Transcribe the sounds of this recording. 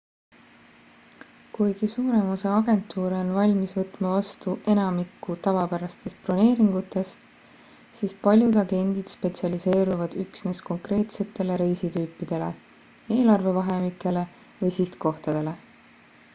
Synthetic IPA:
kujɡ̥isuːɾe̞moseɑɡe̞nt̪ːˑuːɾeonvɑlʲmisvɤt̪ːˑmɑvɑst̪uʔe̞nɑmikːˑut̪ɑvɑpæɾɑst̪e̞st̪̚plɑne̞ːɾiŋɡ̥ut̪ːˑe̞st̪ | siːspɑlʲjud̪ɑɡe̞nʲd̪̥id̪̥spe̞t̪siɑlise̞ːɾuvɑd̪̥yksne̞sko̞ŋkre̞ːt̪se̞t̪ːˑe̞leɾe̞jsit̪yːpːˑid̪̥e̞le̞̰ | e̞ːlɑrve̞vɑɦe̞mikːˑe̞le̞ | vɤjsiht̪ko̞ht̪ɑd̪̥e̞le̞

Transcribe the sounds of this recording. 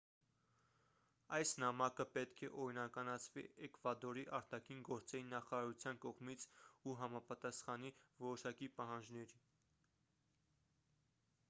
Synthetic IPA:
ɑjsnɑmɑkəpɛt̪kʰɛʔɔɾinɑkɑnɑt͡sʰvḭɛkvɑd̪ɔɾiʔɑɾt̪ɑkʰinɡɔɾt͡sɛɾinnːɑχɑɾɑɾut͡sʰjɑnkɔʁmit͡sʰuɦɑmɑpɑt̪ɑsχɑnivɔɾɔʃɑkipɑɦɑnd͡ʒnɛɾi

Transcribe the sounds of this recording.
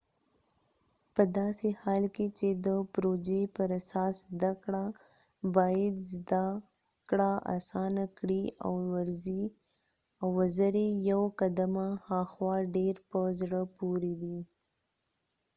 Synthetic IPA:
pəd̪ɑsehɑlket͡ʃed̪əpɾod͡ʒepəɾasɑszd̪akɽa | bɑjad̪zd̪a | kɽaʔa̰sɑnakɽia̰wwaɾzi | awazaɾejawkad̪amahɑxwɑɖeɾpəzɽəpoɾed̪i

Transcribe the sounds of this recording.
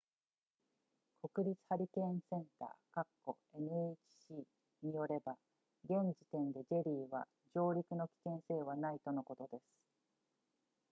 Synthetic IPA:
kʰo̞kɯ̟ɾʲit͡sɨ̥haɾʲikẽ̞ɰ̃sẽ̞nt̪a̰ːkakːo̞ | e̞nɯ̟et͡ɕi̥ɕiː | ɲ̟ijo̞ɾe̞ba | ɡẽ̞ɲd͡ʑi̥t̪ẽ̞nd̪e̞ʑe̞ɾʲiːβa̰ | ʑo̞ːɾʲikɯ̟no̞kʲi̥kẽ̞ɰ̃se̞ːβ̞anait̪o̞no̞ko̞t̪o̞d̪e̞sɨ̥

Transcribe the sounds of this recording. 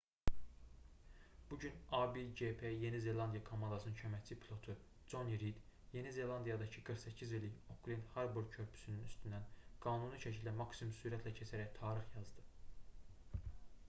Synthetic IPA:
b̥uɟynɑbid͡ʒepʰeje̞nize̞lɑnd̪ijɑkʰomɑnd̪ɑsɯnɯncʰømæt͡sʰipʰilˠo̞t̪ʰu | d͡ʒo̞niɾid̪je̞nize̞lˠɑnd̪ijɑd̪ɑcʰiɡɯɾχsæcʰːizelːiokʰlinhɑɾbuɾd̪̚cʰø̞ɾpʰy̥synynyst̪ynd̪ænɡ̥ɑːnunɯʃæcʰild̪ænmɑksimumsuɾæt̪ʰlæcʰesʰæɾæjt̪ʰɑːɾiχjɑzd̪ɯ

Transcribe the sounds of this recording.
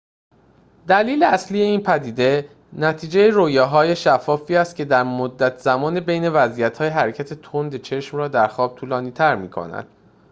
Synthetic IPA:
d̪æliːleæslijeiːnpʰæd̪iːd̪e̞ | næt̪ʰiːd͡ʒejeɾoːjɒːɦɒːjeʃæfːɒːfiːæst̪̚cʰe̞d̪æɾmod̪ːæt̪ʰz̥æmɒːnebe̞jne̞væzijæt̪hɒːjeɦæɾecʰæt̪ʰe̞t̪ʰond̪et͡ʃʰe̞ʃmɾɒːd̪æɾxɒːb̥̚t̪ʰuːlɒːniːt̪ʰæɾmiːkʰo̰næ̰d̪̥

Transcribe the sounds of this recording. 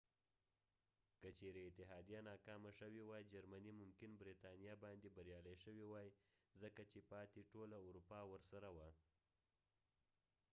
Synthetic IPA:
kət͡ʃeɾeɪt̪ɪɦɑd̪ijanɑkɑmaʃəwewɑjd͡ʒaɾmanimʊmkɪnbɾit̪ɑnijɑbɑnd̪ebaɾjɑlajʃəwewɑjzəkat͡ʃepɑt̪eʈolauɾupɑwəɾsaɾawa

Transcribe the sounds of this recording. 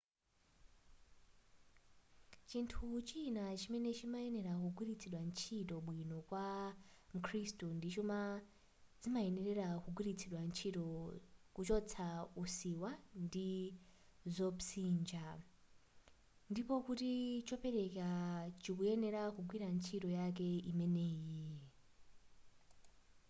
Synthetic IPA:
t͡ʃintʰut͡ʃinat͡ʃimɛnɛt͡ʃimaɛnɛɾakuɡwiɾit͡sʰiɗwant͡ʃʰitɔɓwinɔkwam̩kʰristundit͡ʃuma | zimaɛnɛɾɛɾakuɡwiɾit͡sʰiɗwant͡ʃʰitɔkut͡ʃɔt͡sʰausiwandi | zɔpsiːnd͡ʒa | ndipɔkutit͡ʃɔpɛɾɛkat͡ʃikujɛnɛɾakuɡwiɾant͡ʃʰitɔjak̬ɛimɛnɛːji

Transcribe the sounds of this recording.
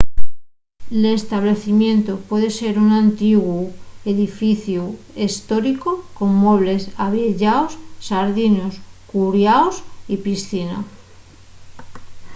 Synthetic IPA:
lest̪aβ̞le̞θimjẽ̞nt̪opwe̞ðe̞se̞ɾunãnt̪iɣwue̞ðifiθju | e̞st̪o̞ɾikoko̞ŋmweβ̞le̞saβjeʎaosːaɾðinoskuɾjaosipisθina̰

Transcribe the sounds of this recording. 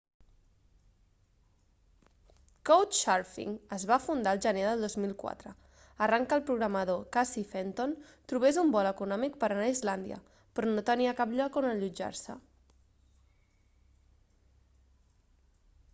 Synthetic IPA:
kowʃaɾfḭŋəzβafund̪aəlˠʒəneðəlˠd̪ozmilˠkwa̰t̪ɾə | əraŋkəlˠpɾuɣɾəməð̞okasifent̪ont̪ɾuβ̞ezumbɔləkunɔmik̚pəɾənaizland̪iə̰ | pɾɔnot̪əniəkapʎɔkonəʎud͡ʒa̰ɾsə

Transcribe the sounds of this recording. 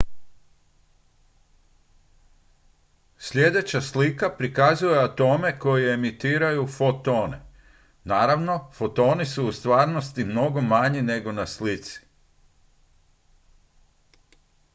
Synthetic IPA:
sʎʲje̞d̪e̞t͡ɕaslikapɾikazuje̞at̪o̞ːme̞ko̞jeemit̪iːɾajufot̪o̞ːne̞̰ | naːɾaʋno̞fot̪o̞ːnisuːst̪ʋaːɾno̞st̪imno̞ɡo̞maɲine̞ɡo̞naslit̪si̥

